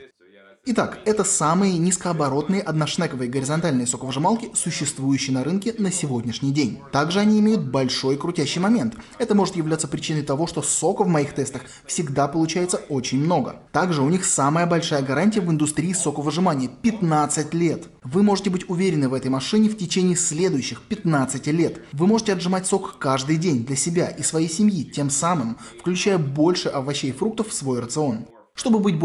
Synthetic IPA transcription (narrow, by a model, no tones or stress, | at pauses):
ɪt̪akɛt̪əsamɨjənʲɪskəɐbɐɾo̞t̪nɨjəʔɐd̪nɐʂnɛkəvəjɡəɾʲɪzɐnt̪alʲnəjsokəvəʐɨmalˠkʲɪsʊɕːɪst̪vujʉɕːɪjnɐɾɨnkʲɪnəsʲɪvo̞dʲnʲɪʂnʲɪjdʲenʲt̪aɡʐɨɐnʲiɪmʲejʊt̪̚bɐlʲʂo̞jkɾʊtʲæɕːɪjmɐmʲe̞nt̪ɛt̪əmo̞ʐɨt̪jɪvlʲat̪səpɾʲɪt͡ɕinəjt̪ɐvo̞ʂt̪oso̞kəvmɐixt̪ɛst̪əx | fsʲɪɡd̪apəlˠʊt͡ɕæjɪt̪səot͡ɕɪnʲmno̞ɡə̰t̪aɡʐɨʊnʲixsaməjəbɐlʲʂajəɡɐɾanʲtʲɪjəvɨnd̪ʊst̪ɾʲiːso̞kəvəʐɨmanʲɪjəpʲɪt̪nat̪sɨtʲlʲe̞t̪ | vɨmo̞ʐɨtʲɪbɨtʲʊvʲeɾʲɪnːɨvɛt̪əjmɐʂɨnʲɪftʲɪt͡ɕenʲɪːsʲlʲe̞d̪ʊjʉɕːɪxpʲɪt̪nat̪sɨtʲɪlʲe̞t̪vɨmo̞ʐɨtʲɪɐʐɨmatʲso̞kkaʐd̪ɨjdʲenʲd̪lʲɐsʲɪbʲaʔisvɐjejsʲɪmjitʲe̞msamɨmfklʲʉt͡ɕæjəbo̞lʲʂɨʔɐvɐɕːejfɾuk̚t̪əffsvo̞jrət̪sɨo̞n | ʂt̪o̞bɨbɨt̚ʲb